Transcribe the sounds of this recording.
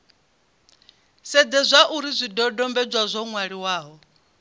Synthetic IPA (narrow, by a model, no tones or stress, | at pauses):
sɛd͡zɛzʷaʔuɾizʷidɔdɔmbɛd͡ʒʷwazʷɔŋwaɺiwaːɦɔ